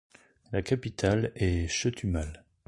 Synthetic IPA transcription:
lakapit̪ʰalɛʃət̪ʰymal

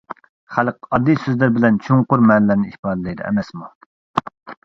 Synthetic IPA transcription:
χælqɑd̪ːisøzlɪɾbɪlɛnt͡ʃʰuŋqʊɾmɛnlæɾnɪihpɑːd̪ɛlˠɨjd̪ɨ̰ɛ̰mɛsmu

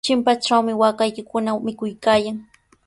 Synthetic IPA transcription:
t͡ʃɪmpaʈ͡ʂawmɪwaːkajkɪkʊnamɪkʊjkaːjaŋ

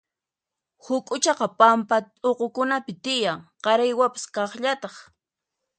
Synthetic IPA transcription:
hʊkʼʊt͡ʃɑqɑpampa | oqokʊnapɪt̪ɪjaŋqɑɾajwapḁskɑχʎat̪ɑχ

